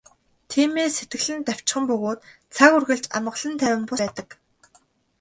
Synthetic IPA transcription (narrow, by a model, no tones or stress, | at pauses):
t̪ʰiːmeːset̪ɡɘ̆ɮɘ̆nt̪aw̥t͡ɕχə̆mpɵɣoːt̪ | t͡sʰaɣurɣɘ̆ɮt͡ɕa̰mə̆ɮə̆nt̪ʰæːwʲɪ̆mpʊæːt̪ə̆k